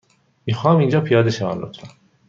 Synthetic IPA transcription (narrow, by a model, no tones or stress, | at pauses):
miːxɒːmind͡ʒɒːpʰijɒːd̪eʃævæ̰nlot̪ʰɾæn